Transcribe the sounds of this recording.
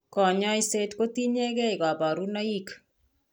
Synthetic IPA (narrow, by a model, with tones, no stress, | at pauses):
kɔ˨ɲɔ˦i˦se˦tko˦t̪i˦ɲe˦ke˦i˨ka˨ba˨ɾu˦na˦i˦k